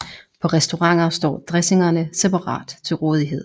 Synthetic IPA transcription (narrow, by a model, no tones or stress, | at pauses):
pʰɒ̽ʁɛsd̥o̝ʁɑ̈ŋ̰ɐsd̥ɒ̰ːd̥ʁɛse̝ŋɐnəsepʰɑ̈ʁɑ̰̈ːd̥t͡sʰe̝lʁɔːð̞ˠiɦe̝ð̰ˠ